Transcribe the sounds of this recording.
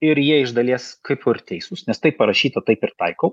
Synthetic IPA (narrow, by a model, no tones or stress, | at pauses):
ɪɾjiɛɪʒd̪ɐlʲiɛskɐɪpʊrt̪ʲɛɪsʊsnʲɛst̪ɐɪpːɐɾɐʃʲiːt̪ɐt̪ɐɪpɪɾt̪ɐɪkoʊ